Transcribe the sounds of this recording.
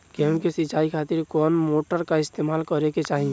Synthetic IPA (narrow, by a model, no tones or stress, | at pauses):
keɦũkesit͡ʃaikʰat̪iɾkɔnmoʈəɾkaɪst̪emalkəɾeket͡ʃaɦĩ